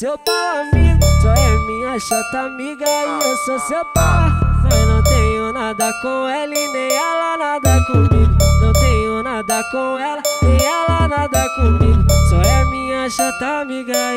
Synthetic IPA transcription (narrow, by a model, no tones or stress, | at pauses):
sewpaɾamiɡʊsɔɛmĩɲɐʃɔt̪amiɡaiososepaɾamanɐ̃w̃t̪ẽɲʊnad̪ɐkõelinẽj̃ɛlɐnad̪ɐkõmiɡʊnɐ̃w̃t̪ẽɲʊnad̪ɐkõɛlɐnẽj̃ɛlɐnad̪ɐkõmiɡʊsɔɛmĩɲɐʃɔt̪amiɡa